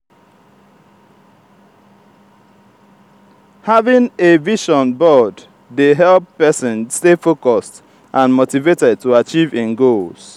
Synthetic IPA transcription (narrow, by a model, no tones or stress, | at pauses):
havĩŋeviʃɔ̃nbɔdː | eɦɛlpːɛsĩnstefokɔst | ʔãnmotivetɛd̚tuat͡ʃivĩnɡols